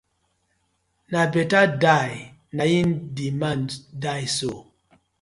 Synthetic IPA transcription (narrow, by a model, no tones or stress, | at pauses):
nabɛtadaj | najindimandajso